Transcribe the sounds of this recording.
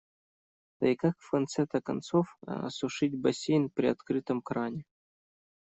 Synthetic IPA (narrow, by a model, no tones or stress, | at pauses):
t̪ɐ̰ikakfkɐnt̪sɛt̪ɐkɐnt̪sofɐ̰suʂɨtʲbɐsʲejnpɾʲiɐt̪kɾɨt̪əmkɾanʲɪ